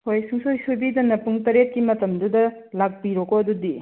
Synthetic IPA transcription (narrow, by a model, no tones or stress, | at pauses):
hojsuŋsojsojbidɐnɐpuŋtɐɾet̚kimɐtɐmdudɐ | lak̚piɾɔkoɐdudi